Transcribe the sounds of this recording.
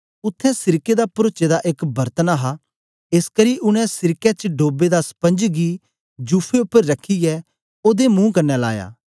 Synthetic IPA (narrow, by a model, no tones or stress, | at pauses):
ʊt̪ʰːɛ̃sɪɾked̪apɾoːt͡ʃed̪aʔɪkbɐɾt̪ənaɦaː | ɪskəɾiːʔʊñɛ̃sɪɾkɛt͡ʃəɖoːbed̪aspə̃nd͡ʒɡiː | d͡ʒuːpʰeʊpːəɾːɐkʰiɛː | oːd̪emũːkɐɾnːɛla̰ːja̰ː